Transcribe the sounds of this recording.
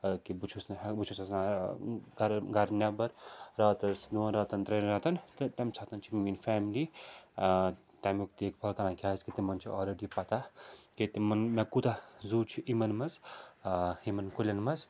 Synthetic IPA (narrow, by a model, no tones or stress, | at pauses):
kibut͡ʃʰusnbut͡ʃʰusɐsna | ɡɐɾɡɐɾnjabɐɾɾɐːt̪ɐsd̪unɾɐːt̪ɐnt̪ɾɐnɾɐt̪ɐnt̪t̪ɐmsʰat̪ɐnt͡ʃʰimiminfɛːmili | t̪amuk̚t̪ekpʰɐlkɐnãkʰʲaːskit̪imɐnt͡ʃʰia̰ːlɾeɖipɐt̪akit̪imɐnmekut̪azuːt͡ʃʰiʔimɐnmɐz | imɐnkulʲɐnmɐz